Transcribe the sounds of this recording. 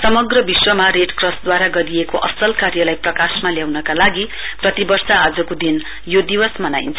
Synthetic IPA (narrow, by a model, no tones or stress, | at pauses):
sʌmʌɡrʌbiswʌmaɾeʈkrʌs̚d̪waɾaɡʌɾiekoʔʌsʌlkaɾjʌlajprʌkasmaljawnʌkalaɡi | prʌt̪ibʌrsaːd͡zʌkod̪in | jod̪iwʌsmʌnajnt͡sʰ